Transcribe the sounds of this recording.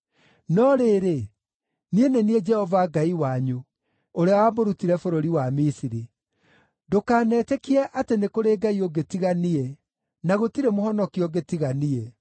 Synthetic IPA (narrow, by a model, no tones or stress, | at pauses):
nɔɾeːɾe | nienenied͡ʒɛhɔvaɡaiwaɲu | oɾeawamoɾutiɾɛfoɾoɾiwamisiɾi | dokaːnɛːtɛkiɛʔatenekoɾeɡaioɡetiɣaniɛ | naɣotiɾemohɔnɔkiɔɡetiɣanie